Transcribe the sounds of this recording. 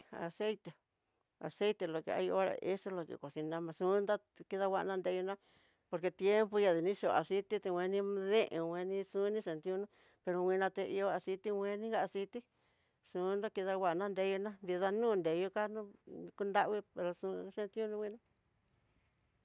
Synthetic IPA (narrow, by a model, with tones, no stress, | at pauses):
a̰˨se˦jt̪e˨ | a̰˨se˦jt̪e˧lo˨kḛ˧a̰˧jo˦ɾa̰˧˨ʔe˦so˦lo˧kḛ˨kʷo˨si˧nã˧mã˧sũ˧˦nd̪a˦ki˧ða˧wa˧ʔnã˦˧nd̪e˧jo˧nã˦ | po˧ɾke˧t̪je˦mpu˧ja˧˨ði˧nĩ˦ʃo˨a̰˨si˦t̪i˦t̪e˧wʷẽ˧nĩ˧ðẽ˦ʔḛ̃˧wẽ˧nĩ˧sũ˦nĩ˦se˨nt̪i˧ũ˧nũ˦ | pe˧ɾo˧wʷĩ˧nã˧t̪e˧ḭ˧o˧a˧si˧t̪i˧wʷẽ˧nĩ˦ɡa˦˧si˧t̪i˦ | sũ˨˧˦nd̪a˦ki˧ða˧wa˧ʔnã˦˧nd̪e˧˦jo˧nã˦nd̪i˧ða˧nũː˦˧nd̪e˨˧jo˧ka˦nũ˦˧ku˧nd̪a˦ʔwi˦pe˧ɾo˧sũ˧se˧nt̪i˦ũ˦nũ˧wĩ˧nã˦